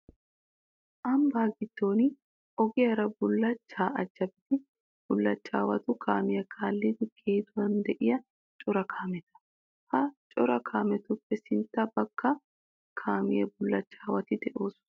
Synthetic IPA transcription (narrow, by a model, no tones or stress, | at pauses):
ʔɐmbaːɡɪd̪̥ːo̞ːnɪ | ʔɔɡɪjɐɾɐbʊlːɐt͡ʃːaːʔɐd͡ʒːɐbɪd̪ɪ | b̥ʊlːɐt͡ʃːa̰ːwɐ̰t̪ʊkʰaːmɪjɐkʰaːlːɪd̪ɪkʰeːd̪ʊwɐnd̪ɛʔɪjɐ | t͡ʃʼɔɾɐkʰaːmɛt̪ɐ̥ | hɐt͡ʃʼɔɾɐkʰaːmɛt̪ʊpːɛsɪnt̪ːɐbɐkːɐ | kʰaːmɪ̰jɐ̰bʊlːɐt͡ʃːaːwɐt̪ɪd̪ɛʔo̞ːs